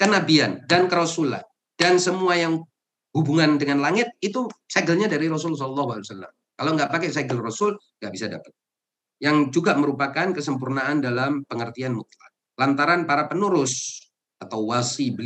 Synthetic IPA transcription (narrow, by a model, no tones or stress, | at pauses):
kənabiandankəɾɔsula̰n | dansəmuajaŋ | hubuŋandəŋanlaŋɪt̪̚it̪usɛɡəlɲadaɾiɾɔsʊls̬ɔlɔlːɑɦualiwasalːa̰m | kalawŋɡaʔpakɛsaɡəlrɔsʊl | ŋɡaʔbisada̰pə̥t̪̚ | jaŋd͡ʒuɡaməɾupakankəsəmpurnaʔandalampəŋərt̪ianmut̪la̰ | lant̪aɾanpaɾapənuɾʊs | at̪awwasibəl